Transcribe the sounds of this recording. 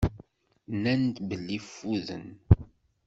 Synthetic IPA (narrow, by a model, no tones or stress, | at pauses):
nænt̪bəlːifːuðə̰n